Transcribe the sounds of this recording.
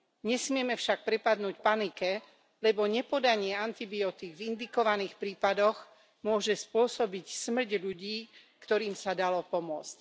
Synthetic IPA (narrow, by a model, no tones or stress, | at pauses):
ɲɛsmɪɛmɛfʃak̚pɾɛpad̪nuːcpanikɛ | lɛbɔɲɛpɔd̪aɲɪɛant̪ibiɔt̪iɡvind̪ikɔʋaniːxpɾiːpad̪ɔɣ | mʊɔʒɛspʊɔsɔbicsmr̩ɟʎuɟiːkt̪ɔɾiːmsad̪alɔpɔmʊɔt͡sc